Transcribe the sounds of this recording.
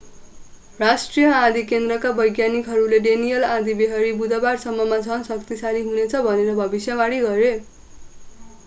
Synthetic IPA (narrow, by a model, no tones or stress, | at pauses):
rasʈrijʌãd̪ʱikend̪rʌkabʌjɡjanikɦʌɾuleɖenijʌlãd̪ʱibeɦʌɾibud̪ʌbarsʌmːʌmad͡zʱʌnsʌkt̪isaliɦunet͡sʰʌbʱʌneɾʌbʱʌbisjʌmaɽiɡʌɾe